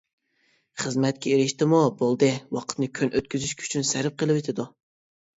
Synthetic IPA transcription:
χəzmɛt̪̚kʲɛeɾɪʃt̪ɪmubolˠd̪ɨwɑqʰt̪nɨkʲʰønʔøt̪̚kʲyzyʃkʲʰy̥t͡ʃʰynsæɾɪp̚qʰəlˠɨwet̪ʰɪd̪u

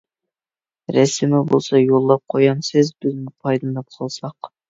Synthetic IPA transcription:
ɾɛsɪmɪbo̰lˠsɑjolˠːɑp̚qʰojɑnsɪzbɪzmɪpʰɑjd̪lˠɨnɨp̚qʰəlˠsɑq

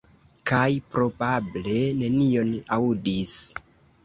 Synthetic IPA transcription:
kajpɾo̞bable̞ne̞nio̞naudis

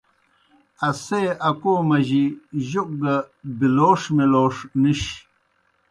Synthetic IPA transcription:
ɐseɐkomɐʑiʑuq̚ɡɐbiloːʂmeloːʂniɕ

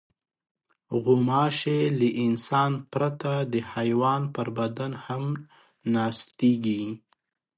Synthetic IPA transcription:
ɣʊmɑʃeləʔɪnsɑnpɾat̪ad̪əhajwɑnpəɾbad̪anham | nɑst̪eɡi

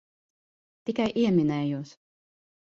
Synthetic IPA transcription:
t̪ikajʔiɛminɛːjuːs

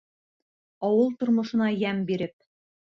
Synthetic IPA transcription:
ɒwɤlˠt̪ŏɾmŏʃɤ̆nɑjæmbiɾɘp̚

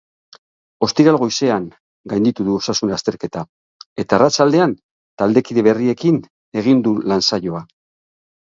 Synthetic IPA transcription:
o̞st̪iɾalɣo̞jse̞aŋ | ɡajnd̪it̪uðuo̞sasunlast̪e̞ɾke̞t̪a | e̞t̪aːrat͡ʃald̪e̞an | t̪ald̪e̞kiðeβe̞rie̞kin | e̞ɣ̞ind̪ulansaʝo̞a

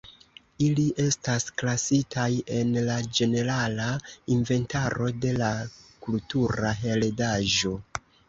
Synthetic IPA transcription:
iliʔe̞stasklasitʰaje̞nlad͡ʒe̞ne̞ɾalainve̞ntaɾo̞de̞lakultuɾaɦe̞ldaʒo̞

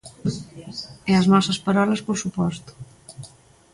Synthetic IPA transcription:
ɛɐznɔsɐspaɾɔlɐspoɾsupɔst̪u̥

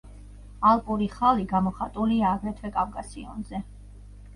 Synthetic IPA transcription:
alˠpʼuɾiχaliɡamɔχat̪ʼuliaːɡɾɛt̪ʰwɛkʼafkʼasiɔ̰nzɛ

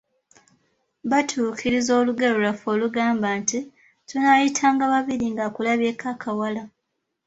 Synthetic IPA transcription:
βatʰuːkʰiɾizo̞ːluɡalolafo̞ːluɡaːmbaːnti | tunajitʰaːŋɡaβaβiɾiŋɡakulaβje̞ːkʰakʰawala

